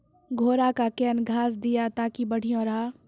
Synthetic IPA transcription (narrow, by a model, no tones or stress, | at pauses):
ɡʱoːɾakakɛːnɡʱaːs̬d̪ijat̪aːkibəɽ̤ijõɾaː